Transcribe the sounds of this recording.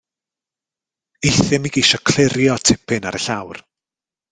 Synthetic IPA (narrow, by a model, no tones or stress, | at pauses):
eθɪmiɡiʃɔkʰl̥ɪɾjɔtʰɪpʰɪnaɾəɬawr